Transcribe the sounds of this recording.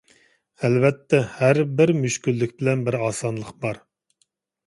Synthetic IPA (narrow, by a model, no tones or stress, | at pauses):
ɛlvɛt̪ʰːɛhæɾbɪɾmyʃkʲylːykʲbɪlɛnbɪɾɑːsɑnlˠəqbɑɾ